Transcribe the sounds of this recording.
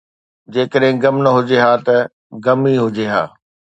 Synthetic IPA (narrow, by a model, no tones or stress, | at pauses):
d͡ʑeːkəɗɦɪ̃ɡɐmnɐɦʊd͡ʑeɦaːt̪ɐ | ɡɐmiɦʊd͡ʑeːɦa̰ː